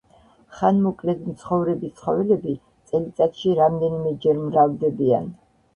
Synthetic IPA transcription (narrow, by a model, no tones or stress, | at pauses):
χanmɔkʼlɛt̪mt̪sʰχɔvɾɛbit̪sʰχɔvɛlɛbi | t̪sʼɛlit̪sʼat̪ʃiɾamd̪ɛnimɛd͡ʒɛɾmɾavd̪ɛbia̰n